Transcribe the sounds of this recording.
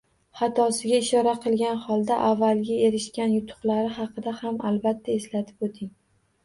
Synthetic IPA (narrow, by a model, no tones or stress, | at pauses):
χɑt̪ʰɒsɪɡʲaɪʃɒɾaqʰɨlˠɡʲanχɒlˠd̪aʔavːalˠɡʲae̞ɾɪʃkʲanjʊt̪ʰʊ̥qlˠaɾɪɦɑqʰɨd̪ahamalbat̪ʰːae̞slat̪ʰɪ̥pot̪ʰɪŋ